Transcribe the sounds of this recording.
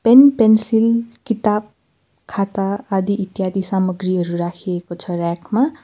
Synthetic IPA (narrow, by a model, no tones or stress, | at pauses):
penpensilkit̪ab̚ | kʰat̪aːd̪iʔit̪jad̪isamʌɡriɦʌɾuɾakʰiekot͡sʰʌrakʰma